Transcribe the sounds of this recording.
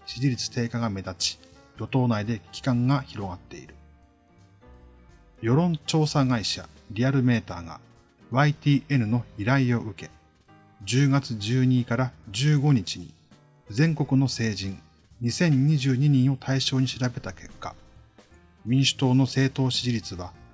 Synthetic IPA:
ɕiɾʲiɾʲit͡sɨ̥t̪e̞ːkaɡame̞d̪at͡ɕi̥ | jo̞t̪o̞ːnaid̪e̞kʲʰi̥kãŋɡaçiɾo̞ɡat̪ːe̞̰ḭɾɯ̟ | jo̞ɾõ̞ɲt͡ɕo̞ːsaɡaiɕa̰ɾʲiaɾɯ̟me̞ːt̪a̰ːɡa̰ | βait̪ʲiːʔe̞ɾɯ̟no̞iɾaio̞ʔɯ̟ke̞ | d͡ʑɨːɡat͡sɨʑɨːɲ̟ikaɾad͡ʑɨːɡo̞ɲ̟it͡ɕiɲ̟ḭ | d͡zẽ̞ŋko̞kɯ̟no̞se̞ːʑĩŋ | ɲ̟isẽ̞ɲ̟ɲːiʑɨːɲ̟iɲ̟ĩɰ̃o̞t̪ʰaiɕo̞ːɲ̟iɕiɾabe̞t̪ake̞kːa̰ | mʲĩɰ̃ɕɨ̥t̪o̞ːno̞se̞ːt̪o̞ːɕiʑiɾʲit͡sɨβa

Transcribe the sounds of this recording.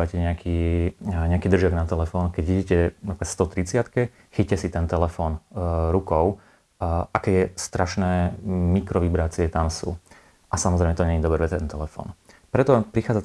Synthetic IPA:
acɛɲɛakʰiːɲɛakiːd̪r̩ʒɪaɡnat̪ɛlɛfɔːnkɛɟiɟicɛnapɾikast̪ɔt̪ɾit͡sɪat̪kɛ | xicːɛsit̪ɛnt̪ɛlɛfɔːnɾukɔʊ | ʔakɛːjɛst̪ɾaʃnɛːmikɾɔʋibɾaːt͡siɛt̪amsṵː | ʔasamɔzɾɛmɛt̪ɔɲɛɲid̪ɔbɾɛʋɛt̪ɛt̪ɛnt̪ɛlɛfɔ̰ːnpɾɛt̪ɔpɾixaːd͡za

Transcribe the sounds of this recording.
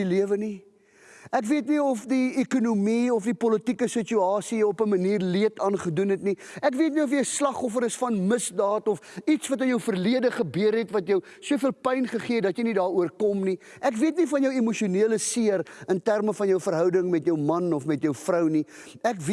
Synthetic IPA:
liəvəni | ækviətniɔfdiekunumiɔfdipɔlətikəsət͡ʃuɑːsiɔpəməniːrliətɑːnχədunɦɛtni | ækviətniɔfjəslɐχɔfəɾəsfɐnməsdɑːtɔfitsvɐtənjəwfərliədəχəbiəɾɦɛtvɐtjəw | suəfiəlˠpɛjnχəχiətdɐtjəjnidɑːɾuərkɔmni | ʔækviətnifɐnjəwimuʃiuniələsiərəntærməfɐnjəwfərɦœwdəŋmɛtjəwmɐnɔfmɛtjəwfrəwni | ækv

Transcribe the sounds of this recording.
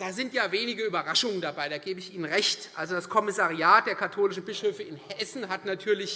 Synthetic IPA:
d̥aːzɪntjaːveːnɪɡəyːbɐʁaʃʊŋəndabaɪdaːɡeːbəɪçiːnənʁɛçtʔalzodaskʰɔmɪsaʁiaːt̚d̥eːɐkʰatʰoːlɪʃn̩bɪʃøːfəɪnhɛsn̩ɦatnatʰyːɐlɪç

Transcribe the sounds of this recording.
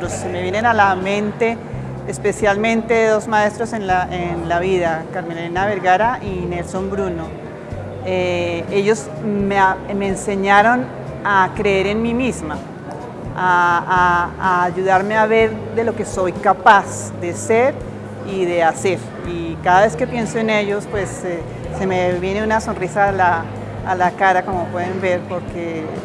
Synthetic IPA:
ɾosːemeβje̞nenalamẽ̞nt̪e̞ː | spe̞sjalmẽnt̪eðeðozmae̞st̪ɾose̞nlaʔenlaβiðakaɾmenlinaβe̞ɾɣaɾaʔinelso̞mbɾuno̞ | eeʝo̞z | meame̞ːnse̞ɲaɾo̞n | akɾe̞eɾe̞nmimizma | aaaːʝuðaɾme̞aβe̞ɾðe̞lo̞ke̞so̞jkapas | d̪e̞seɾ | iðe̞ase̞ɾ | ikaðaβe̞ske̞pjensoene̞ʝo̞spwe̞seː | e̞meβje̞neunaso̞nrisalaː | lakaɾako̞mopwe̞ðembe̞ɾpo̞ɾke

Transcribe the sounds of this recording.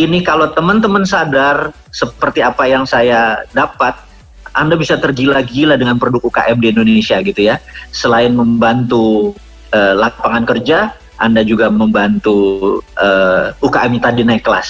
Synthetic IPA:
inikalot̪əmənt̪əmənsadar | səpərt̪iapajaŋsajadapat̪̚ | ʔandabisat̪ərɡilaɡilahdəŋanpɾodʊk̚uka̰ʔɛmdiːndonesiaɡit̪ujasəlaɪnməmbant̪u | əlapaŋankərd͡ʒa | ʔandad͡ʒuɡaməmbant̪uʔəukaʔɛmit̪adinaɪkːəla̰s

